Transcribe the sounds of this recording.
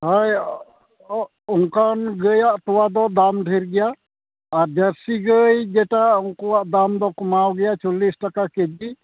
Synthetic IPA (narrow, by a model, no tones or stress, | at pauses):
ɦaj | uŋkanɡəjaʔt̪ɔwad̪ɔd̪amɖʱiɾɡɛjaː | ɾd͡ʒəɾsiɡəjd͡ʒɛʈauŋkuwaʔd̪amd̪ɔkɔmawɡɛjat͡ʃɔlisʈakaked͡ʒi